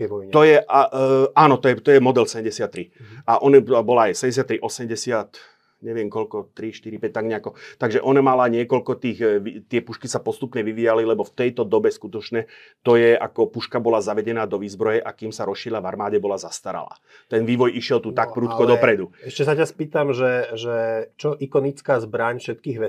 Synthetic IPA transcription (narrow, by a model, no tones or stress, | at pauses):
t̪ɔjɛʔaʔaːnɔt̪ɔjɛt̪ɔjɛmɔd̪ɛlsɛɛmɟɛsɪat̪ːɾiaʔɔnɛbɔlaːjsɛɟɛs̬ɪat̪ːɾiʔɔsɛmɟɛsɪat̪ | ɲɛʋɪɛmkɔlkɔt̪ɾiʃt̪iɾipɛc̚t̪aɡɲɛakɔt̪aɡʒɛʔɔnamalaɲɪɛkɔlkɔt̪iːɣʋit̪ɪɛpuʃkisapɔst̪upɲɛʋiʋijalilɛbɔft̪ɛjt̪ɔd̪ɔbɛskut̪ɔt͡ʃɲɛ | t̪ɔjɛʔa̰kɔpuʃkabɔlazaʋɛɟɛnaːd̪ɔʋiːzbɾɔjɛʔakiːmsaɾɔsʃiɾilaʋaɾmaːɟɛbɔlazast̪aɾa̰la̰ː | t̪ɛnʋiːʋɔjiʃɪɛlt̪uːt̪ak̚pɾuːt̪kɔdd̪ɔpɾɛd̪uɛʃcɛsacaspiːt̪amʒɛʒɛt͡ʃɔʔikɔnit͡skaːzbɾaɲfʃɛt̪kiːɣʋɛ